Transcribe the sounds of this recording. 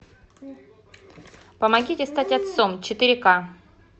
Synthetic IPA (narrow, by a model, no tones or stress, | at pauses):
pəmɐɡʲitʲɪst̪atʲɐt̪somt͡ɕɪt̪ɨɾʲɪka